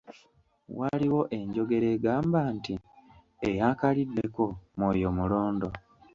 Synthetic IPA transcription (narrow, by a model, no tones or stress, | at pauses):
waliwo̞ʔe̞ɲɟo̞ɡe̞ɾe̞ːɡaːmbaːnti | ejaːkalidːe̞ko̞mwoːjo̞muloːndo̞